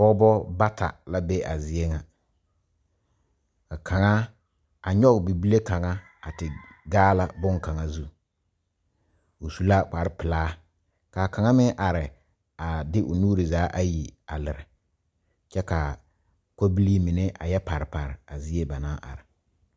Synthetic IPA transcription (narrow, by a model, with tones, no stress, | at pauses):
bɔ˦bɔ˦ba˦tʰa̰˨la˦be˦ʔa˨zɪ˦e˦ŋa˨ | ka˨kʰa˨ŋa˦ | a˨ɲɔ˦ɡbi˨bi˦le˦ka˨ŋa˦ | a˨tɪ˨ɡaː˦la˦bʊ˦ŋka˨ŋa˦zu˦ | ʊ˨su˨la˦k͡pa˨ɾɪ˦pɪ˨laː˦ | ka˨ka˨ŋa˦mɪ˦ʔa˨ɾɪ˨ | a˨dɪ˦ʔʊ˨nuː˦ɾi˨zaː˨˦ʔa˦ji˨a̰˨lɪ˨ɾɪ˨ | t͡ʃɛ˦ka˨ | ko˦bi˦li˦mɪ˨nɛ˦ʔa̰˨jɛ˦pa˨ɾɪ˨pa˨ɾɪ˨a˨zɪ˦e˦ba˨naː˦ʔa̰˨ɾɪ˨